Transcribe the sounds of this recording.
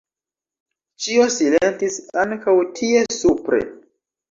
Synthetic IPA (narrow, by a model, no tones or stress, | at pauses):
t͡ʃio̞silentisaŋkawtʰie̞supɾe̞̰